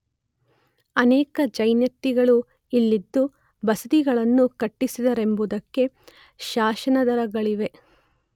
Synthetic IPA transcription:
ɐnɛːkɐd͡ʒɐjnjɐt̪ːiɡɐɭu | ilːid̪ːu | bɐsɐd̪iɡɐɭɐnːukɐʈːisid̪ɐɾe̞mbud̪ɐkːe̞ | ʃaːʃɐnɐd̪ɐɾɐɡɐɭiʋe̞

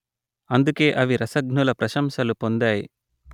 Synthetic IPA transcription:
ɐnd̪uke̞ːʔɐʋiɾɐsɐɡnulɐpɾɐʃɐmʃɐlupo̞nd̪aːjḭ

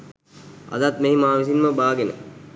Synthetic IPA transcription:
a̰d̪at̪meɦimaːʋis̬inməbaːɡenə̰

